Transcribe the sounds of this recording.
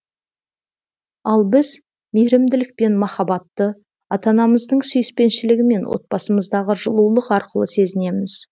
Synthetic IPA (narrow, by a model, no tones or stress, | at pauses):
ɑlˠbɪz | meɾɪmd̪ɪlɪk̚pe̞nmɑχɑbɑt̪ːə | ɑt̪ɑnɑməzd̪əɴsʏjɪspe̞nʃɪlɪɡʲɪme̞nwo̰t̪̚pɑsəməzd̪ɑʁəʒəlˠulˠəqɑɾqəlˠəse̞zɪne̞mɪz̥